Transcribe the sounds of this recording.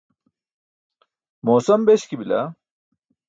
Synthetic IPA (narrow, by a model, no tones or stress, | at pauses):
moːsɐmbeɕkibilɐ̰